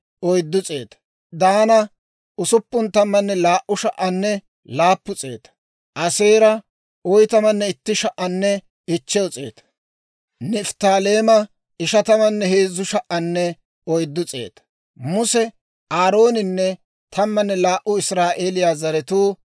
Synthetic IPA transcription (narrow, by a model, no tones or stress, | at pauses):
ʔɔjd̪ːʊt͡sʼe̞ːt̪ɐ̥ | d̪aːnɐ | ʊsʊpːʊnt̪ɐmːɐnːɛlaːʔʊʃɐʔɐnːɛ | laːpːʊt͡sʼe̞ːt̪ɐ̥ | ʔɐse̞ːɾɐ | ɔjt̪ɐmɐnːɛɪt̪ːɪʃɐʔːɐnːɛ | ɪt͡ʃːɛɔt͡sʼe̞̰ːt̪ɐ̥ | nɪft̪aːle̞ːmɐ | ɪʃɐt̪ɐmɐnːɛheːzːʊʃɐʔɐnːɛ | ɔjd̪ːʊt͡sʼe̞̰ːt̪ɐ̥ | mʊsɛ | ʔaːɾo̞ːnɪnːɛ | t̪ʰɐmːɐnːɛlaːʔʊɪsɾaːʔe̞ːlɪjaːzɐɾɛt̪uː